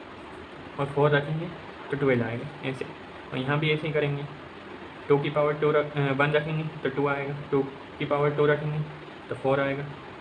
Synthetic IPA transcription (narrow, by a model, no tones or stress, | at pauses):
ɔːɾfoːɾɾɐkʰẽːŋɡeː | t̪oʈuːʋeːlaːeːɡaːɛ̰ːse | ɔ̰ːɾjɐɦãbʱiɛːseɦikɐɾẽːŋɡeː | ʈoːkipaːʋəɾʈoːɾbɐ̃nd̪ɾɐkʰẽːŋɡet̪oʈuaːeːɡaːʈoː | kipaːʋəɾʈuːɾɐkʰẽːŋɡe | t̪ofoːɾaːeːɡaː